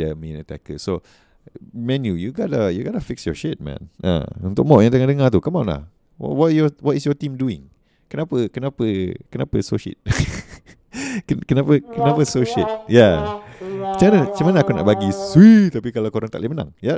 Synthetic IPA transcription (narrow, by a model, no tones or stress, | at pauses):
əminət̪a̰kəso | mɛ̃njujuɡadəjuɡadəfɪksjɔʃet̪̚mɛ̰̃nə̰̃unt̪ʊk̚mɔʔjãŋt̪̬əŋadəŋat̪ukamanla̰h | w̰wɔtjɔwɔtisjɔt̪ĩmduɪ̰̃ŋ | kənãpəkənãpəkənapəsoʃḛt̪̚ | kəkənapəkənãpəsoʃet̪̚ja | mat͡ʃamanəat͡ʃamanəakuna̰ʔbaɡiswit̪apikalakoɾaŋt̪a̰ʔlemənã̰ŋja